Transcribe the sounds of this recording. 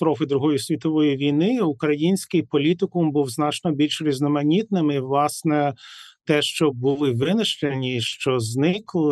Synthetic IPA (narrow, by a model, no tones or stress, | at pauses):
st̪ɾɔfɪd̪ɾuɦɔjisʲʋʲit̪ɔʋɔjiʋʲijnɪʊkɾɐjinʲsʲkɪjpɔlʲit̪ɪkʊmbuwznɑt͡ʃnɔbʲilʲʃɾʲiznɔmɐnʲit̪̚nɪmɪʋlˠɑsnɛt̪ɛʃt͡ʃɔbʊlˠɪʋɪnɪʃt͡ʃenʲiʃt͡ʃɔznɪklˠɪ